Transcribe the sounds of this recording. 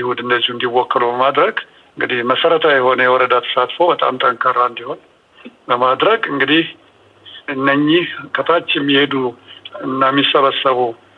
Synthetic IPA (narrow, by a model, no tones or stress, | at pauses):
jihud̪ɨnd̪əzːihund̪iwɔkːəlubəmad̪ɾəɡ | ɨŋɡɨd̪ihməsəɾət̪ʰajɛho̞nəjɛwɔɾəd̪at̪ʰə̥sat̪fəwbət̪ʼa̰mt̪ʼəmkʰəɾːaɨnd̪iho̞n | bəmad̪ɾəɡɨŋɡɨd̪ih | ɨnːəɲːɪhkʰət̪ʰat͡ʃːɛmːihed̪uɨnːamːisːəβəsːəβu